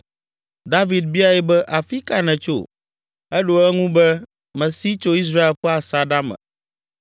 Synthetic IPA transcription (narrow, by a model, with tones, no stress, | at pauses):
d̪a˦vi˨d̪̚bi˦a˦˨jɛ˦bɛ˦ʔa˨fi˦ka˨nɛ̃˨t͡ʃo̰˦˨ | ɛ˦ɖo˦ɛ˦ŋũ˦bɛ˦ | mɛ̃˨si˦t͡ʃo˦i˦s̬ɾa˦e˨lɸɛ˦a˨sa˨ɖa˦mɛ̰̃˨